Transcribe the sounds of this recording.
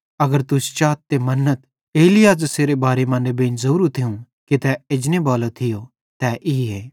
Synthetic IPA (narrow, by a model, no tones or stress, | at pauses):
ɐɡəɾt̪ʊst͡ʃaːt̪ːemɐnːət̪ | eːlɪjaːd͡ʒseːɾebaːɾemãːnɖebẽːnzɐɾuːɾut̪ʰɪũ | kit̪ɛed͡ʒnebaːlot̪ʰɪjo | t̪ɛʔiːɦeː